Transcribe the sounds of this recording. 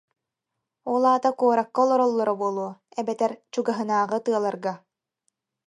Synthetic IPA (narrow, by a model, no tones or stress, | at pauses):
ɔlˠaːt̪akuɔɾakːaɔlˠɔɾɔlˠːɔɾabuɔlˠuɔɛbɛt̪ɛɾt͡ɕuɡaɦɯnaːʁɯt̪ɯɐlˠaɾɡa